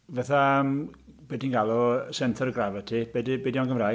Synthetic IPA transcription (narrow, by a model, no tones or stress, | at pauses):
vaθamb̥ɛdinɡalˠɔsɛntʰɛɾəɡravɛtʰib̥ɛdbedjɔnɡəmra